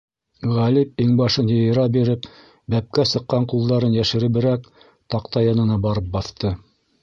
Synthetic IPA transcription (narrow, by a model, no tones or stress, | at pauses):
ʁælip̚iŋbɑʃɤnjɤ̆jɤ̆ɾɑbiɾɘp | bæp̚kæsɤ̆qːɑɴqulˠd̪ɑɾɤnjæʃɘ̆ɾɘ̆βɘ̆ɾæk | t̪ɑqt̪ɑjɑnɤ̆nɑbɑɾɤp̚bɑθt̪ɤ